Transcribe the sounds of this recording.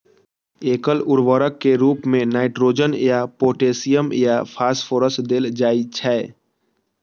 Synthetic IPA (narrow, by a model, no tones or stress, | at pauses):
eːkəlʊɾʋəɾəkːeɾuːpmẽnaːɪʈɾoːd͡ʒənjapoːʈeːsijəmjapʰaːsfʰoːɾəsʈd̪ɪld͡ʒaːit͡ʃʰɛɛ